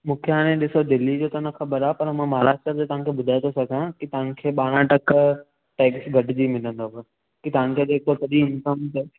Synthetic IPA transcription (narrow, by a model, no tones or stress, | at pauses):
mũːkʰeɦaːñẽɗɪsod̪ɪlid͡ʑoːt̪ɐnɐxɐbəɾaːpɐɾmãːmɐɦɾaːʃt̪ɾəd͡ʑot̪ɐɦãkʰeːɓʊd̪ʱajt̪ʰosɐɡʱãkit̪ɐʋãkʰeːɓaːɽ̃ãʈɐk | ʈeːksɡʱɐɖɪd͡ʑiːmɪnə̃nd̪oɦɐ | kit̪ɐʋãnkʰed͡ʑeːkosɐɗĩʊ̃nkəmt̪ɐ